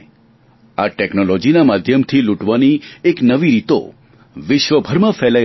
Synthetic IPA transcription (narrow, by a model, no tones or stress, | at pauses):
aʈeknolod͡ʒinamad̪ʱjəmt̪ʰiluʈʋanieknəʋiɾit̪o̰ | ʋɪʃʋəbʱəɾmãfɛla